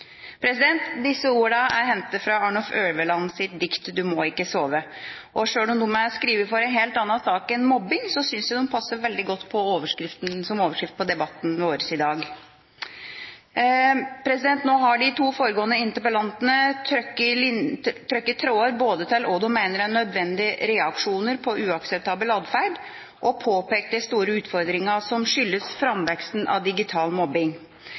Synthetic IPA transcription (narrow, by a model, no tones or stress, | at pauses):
pʰɾɛsɪd̪ɛnt̪d̪ɪsːəuːɾɳɑæɾhɛnt̪əfɾɑɑɳɔføːɽʋəlɑnsɪt̪̚d̪ɪkt̪d̪ʉmɔɪkːəsoːʋəʔɔʂøːɽɔmd̪ʊməskɾiːʋəɾfɔɾɛnɦeːlt̪ɑnːɑsɑːkɛnmɔbːɪŋsɔsʏnsɪʊnpʰɑsːəɾʋɛld̪ɪɡɔt̪ːpʰɔoːʋəʂkɾɪft̪nsɔmoːʋəʂkɾɪft̪̚pɔd̪ɛbɑt̪ːn̩ʋoːɾəsɪd̪ɑːɡ | pʰɾɛsɪd̪ɛnt̪noːɦɑɖɪt̪ʰuːfoːɾəɡoːənəɪnt̪əɾpəlɑnt̪ənət̪ʰɾœkə | t̪ʰɾœkːətt̪ʰːɾoːəɾboːd̪ət̪ʰɪlɔd̪ʊmæɪnəɾænœd̪ʋɛnd̪ɪɾɛɑkʂuːnəɾpʰɔʔʉːɑksɛp̚t̪ʰɑːbəlɑːd̪fæɖ | ʔɔpʰoːpeːk̚t̪ɛst̪uːɾəʉːt̪fɔɾd̪ɾɪŋəsɔmʂʏlːəsfɾɑmʋɛksnʔɑ̰ʋd̪ɪɡɪt̪ʰɑːlmɔbːɪŋ